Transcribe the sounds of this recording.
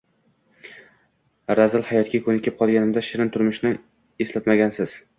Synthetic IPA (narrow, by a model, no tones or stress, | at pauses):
ɾazɪlˠhajɒt̪̚kʲakʰɵnɪkʲʰɪp̚qʰɒlˠɡʲanɪmd̪aʃɪɾɪnt̪ʰʊɾmɪʃnɪ | eslat̪maɡʲansɪz̥